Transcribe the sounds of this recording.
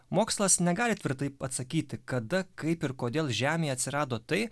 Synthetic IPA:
moːkslˠɐsnʲɛɡɑːlʲɪt̪ʲʋʲɪɾt̪ɐɪpɐt̪sɐkʲiːt̪ʲɪkɐd̪ɐkɐɪpɪɾkoːd̪ʲeːlˠʒʲæːmʲeːɐt̪ʲsʲɪɾɑːd̪oːt̪ɐɪ

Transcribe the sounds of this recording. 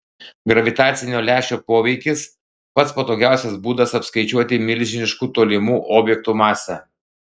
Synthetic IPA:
ɡɾɐʋʲɪt̪ɑːt̪sʲɪnʲoːlʲæːʃʲoːpoːʋʲɛɪkʲɪs | pɐt̪spɐt̪oːɡʲæˑʊsʲɛsbuːd̪ɐsɐpskɐɪt͡ʃʲuɔt̪ʲɪmʲɪlʲʒʲɪnʲɪʃkuːt̪oːlʲɪmuːʔoːbʲjɛk̚t̪uːmɑːsʲɛ

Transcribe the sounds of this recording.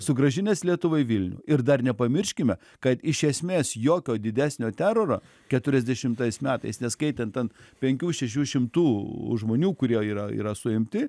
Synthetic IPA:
sʊɡɾɐʒʲɪnʲɛslʲiɛt̪ʊʋɐɪʋʲɪlʲnʲʊ̰ːɪrd̪ɐrnʲɛpɐmʲɪrʲʃʲkʲɪmʲɛ | kɐt̪ɪʃʲɛsʲmʲeːsjoːkʲoːd̪ʲɪd̪ʲæːsʲnʲoːt̪ʲæːɾoɾo̰ː | kʲɛt̪ʊɾʲɛzʲd̪ʲɛʃʲɪmt̪ɐɪsmʲæːt̪ɐɪsnʲɛskɐɪt̪ʲɛnt̪t̪ʲɛnpʲɛŋʲkʲuːʃʲɛʃ̬ʲuːʃʲɪmt̪uːʒmoːnʲuːkʊɾʲiɛiːɾɐḭːɾɐsʊɪmʲt̪ʲɪ

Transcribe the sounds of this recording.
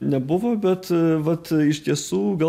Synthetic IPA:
nʲɛbʊʋoːbʲɛt̪ʋɐt̪ɪʃʲt̪ʲiɛsuːɡɐ

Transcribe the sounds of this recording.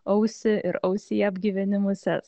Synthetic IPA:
ɐʊsʲɪʔɪɾɐʊsʲɪjɛɐbʲɡʲiʋʲɛnʲɪmʊsʲɛ̰s

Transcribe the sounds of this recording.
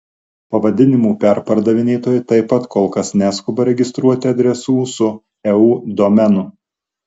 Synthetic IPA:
pɐʋɐd̪ʲɪnʲɪmuːpʲɛɾpɐɾd̪ɐʋʲɪnʲeːt̪oːjɪt̪ɐɪpːɐt̪koːlˠkɐsnʲæskʊbɐɾʲɛɡʲɪst̪ɾuɔt̪ʲɪɐd̪ʲɾʲɛsuːsʊ | ɛuːd̪ɔmʲɛnʊ

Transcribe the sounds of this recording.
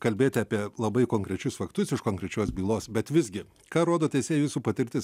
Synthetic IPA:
kɐlʲbʲeːt̪ʲɪɐːpʲiɛlˠɐbɐɪkoːŋkɾʲɛt͡ʃʲʊsfɐkt̪ʊsɪʃkoːŋkɾʲɛt͡ʃʲoːsbʲiːlˠoːsbʲɛt̪ʋʲɪzʲɡʲɪ | kɑːɾoːd̪oːt̪ʲɛɪsʲeːjjuːsuːpɐt̪ʲɪɾʲt̪ʲɪs

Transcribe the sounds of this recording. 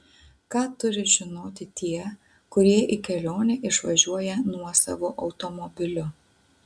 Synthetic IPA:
kɑːt̪ʊɾʲɪʒʲɪnoːt̪ʲɪt̪ʲiɛ | kʊɾʲiɛʔikʲɛlʲoːnʲeːʔɪʃʋɐʒʲuɔjɛnuɔsɑ̰ʋoːʔɐʊt̪omɔbʲɪlʲʊ

